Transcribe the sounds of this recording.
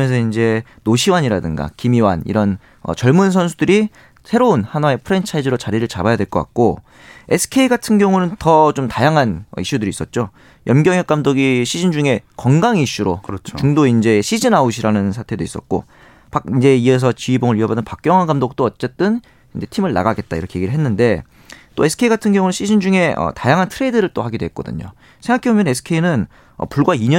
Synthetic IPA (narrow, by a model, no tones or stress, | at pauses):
jensʰʌind͡ʑe̞ | noɕʰiwaɲiɾadɯŋɡa̰kimiwa̰nḭɾʌn | ʌ̰t͡ɕʌɭmunsʰʌnsʰudɯɾi | sʰe̞ɾounhanwae̞pʰɯɾe̞nt͡ɕʰaid͡ʑiɾot͡ɕaɾiɾɯɭt͡ɕabajadwe̞ɭk͈ʌk͈a̰k̚k͈o | e̞sʰɯ̥kʰe̞iɡatʰɯnɡjʌŋunɯntʌt͡ɕomtajaŋɦanʌ̰iɕ͈udɯɾis͈ʌt̚t͡ɕ͈o | jʌmɡjʌŋjʌk͈amdoɡiɕʰid͡ʑind͡ʑuŋe̞kʌŋɡaŋiɕ͈uɾo̰kɾʌt͡ɕt͡ɕuŋdoind͡ʑe̞ːɕʰid͡ʑinaoɕʰiɾanɯnsʰatʰe̞dois͈ʌ̰t̚k͈o̰ | pak̚ind͡ʑe̞ies̬ʰʌt͡ɕiiboŋɯɭɥiʌbadɯnpak̚k͈jʌŋɦwaɡamdok̚t͈oʌt͡ɕ͈e̞t͈ɯn | ind͡ʑe̞tʰimɯɭna̰ɡaɡe̞t̚t͈a̰iɾʌkʰejeɡiɾɯɭɦenːɯnde̞ | t͈oe̞sʰɯ̥kʰe̞iɡatʰɯnɡjʌŋunɯnɕʰid͡ʑʰind͡ʑuŋe̞ʌ̰tajaŋɦantʰɯɾe̞idɯɾɯɭt͈ohaɡidoɦet̚k͈ʌdɯ̰ɲo̰ | sʰeŋɡakʰebomjʌne̞sʰɯ̥kʰe̞inɯn | ʌ̰puɭɡwaiɲʌ